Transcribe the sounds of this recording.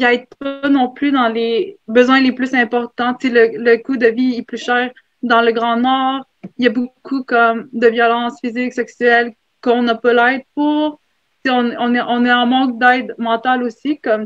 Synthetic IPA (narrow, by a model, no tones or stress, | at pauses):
iajd̪̚panɔ̃plyd̪ɑ̃lebəzwɛ̃leplysɛ̃pɔʁt̪ɑ̃selələkud̪əviɛplyʃɛːʁ | d̪ɑ̃ləɡʁɑ̃nɔːʁ | ljabokʰukɔmd̪əvjɔlɑ̃sfizɪksɛksyɛl | kɔ̃nɔpølɛɪd̪̚puʁ | seɔ̃nɔ̃nɛʔɔ̃nɛɑ̃mɑ̃k̚d̪ɛd̪mɑ̃t̪alosikɔm